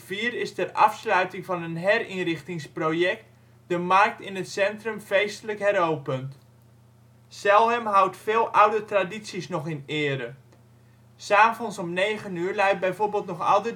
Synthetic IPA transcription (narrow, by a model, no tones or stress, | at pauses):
fiːəɾɪstɛrʔɑ̰fslœɥtɪŋvɑnənɦɛrinrɪχtɪŋsprojɛk̚t | dəmark̚tɪnətsɛntrɵmfejstələkɦɛrowpənt | sɛlˠɦɛmɦawtfeːlˠʔawdətraditsisnɔχɪnɪːɾə | saːvɔnsɔmnejχənyːɹlɛjt̚bɛjvoːɹbɪːlˠtnɔχɑ̰lˠdə